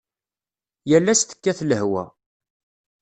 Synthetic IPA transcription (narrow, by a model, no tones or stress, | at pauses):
jælːæst̪ə̥kːæθləhwæ̰